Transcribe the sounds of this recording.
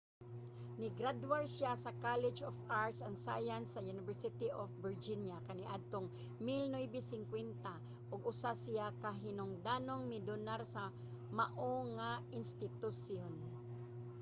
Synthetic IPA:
nɪɡɾad̪waɹsjasɐkalɛd͡ʒofʔaɹt̪sɐŋsa̰jansɐjunɪvɛɹsɪt̪iʔofbɪɹd͡ʒɪnjakɐnɪʔad̪̚t̪oŋ | mɪlnojbɪsɪŋkwɛnt̪a | ʔʊɡʊsasɪjakaɦɪnʊŋd̪anoŋmɪdʊnaɾsɐ | maʔoŋaɪnst̪ɪt̪ʊsjon

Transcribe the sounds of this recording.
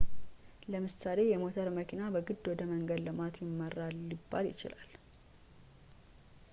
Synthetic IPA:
ləmɨsale̞jɛmo̞t̪ʰəɾməkʰinabəɡɨd̪ːwɔd̪əməŋɡəd̪lɨmat̪jɪmːərːalːibːaljɪ̰t͡ʃɪ̰lal

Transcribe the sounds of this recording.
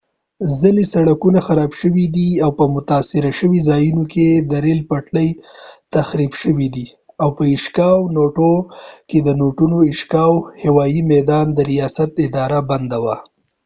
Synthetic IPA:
zəlisaɽakunaxaɾɑbʃəwid̪iawpəmʊt̪asɪɾaʃəwizɑjunokʰed̪əɾelpaʈləjt̪axɾibʃəwid̪i | awpəɪʃkɑwnoʈoked̪ənoʈunoɪʃkɑwhɪwɑjimɛd̪ɑnd̪əɾijɑsat̪ɪd̪ɑɾaband̪awa

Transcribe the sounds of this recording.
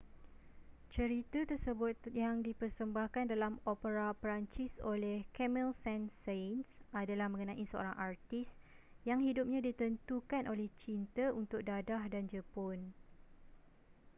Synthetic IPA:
t͡ʃəɾit̪at̪ərsəbʊt̪jaŋdipərsəmbahkandalamopəɾapəɾaɲt͡ʃiso̰lɛhkɛmilsɛnsansadalahmə̃ŋənãʔisəo̰ɾaŋʔart̪is | jaŋɦidʊp̚ɲãdit̪ənt̪ukanʔolɛht͡ʃint̪əʔunt̪ʊk̚dadahdand͡ʒəpʊn

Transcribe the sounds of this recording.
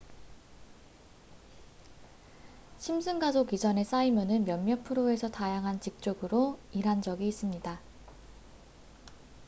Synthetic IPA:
ɕʰimsʰɯŋɡasʰokid͡ʑʌne̞s͈aimjonɯnmjʌmːjʌpʰɯɾoe̞sʰʌtajaŋɦant͡ɕik̚t͡ɕ͈oɡɯɾoiɾɦand͡ʑʌɡiːs͈ɯmɲida

